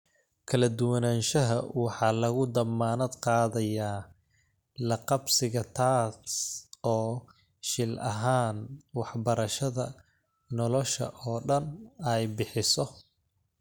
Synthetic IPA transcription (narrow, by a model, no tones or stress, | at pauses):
kʰɐlɐd̪ʊwɐnaːnʃɐɦɐ̰wɑħɑːlɐɣʊd̪ɐmːaːnɐd̪qɑːðɐjaː | lɐqɑbsɪɣɐt̪ʰaːsɔː | ʃɪlʔɐ̰ɦaːnwɑħbɐɾɐʃɐðɐ̰ː | ɔlɔʃɐ̰ʔɔːɖɐnɛjbɪħɪsɔ